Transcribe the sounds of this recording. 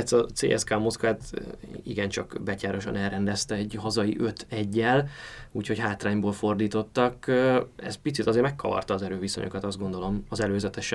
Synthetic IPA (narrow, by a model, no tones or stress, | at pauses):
ɛt̪sɒt̪sḛːʔɛ̰skaːmoskaːt̪iɡɛnt͡ʃɒkbɛcaːɾo̞ʃɒ̰nɛlrɛnd̪ɛst̪ɛɛɟɦɒzɒjḭʔø̞t̪ʰɛɟːɛluːcho̞chaːt̪raːɲboːlfo̞rd̪iːt̪o̞t̪ːɒkøɛ̰spit̪sit̪ɒzeːɾrmɛkʰːɒvɒ̰rt̪ɒːzɛɾøːviso̞̰ɲʔo̞̰kɒt̪ɒzd̪ɡo̞nd̪o̞lo̞mɒzɛløːzɛt̪ɛʃɛ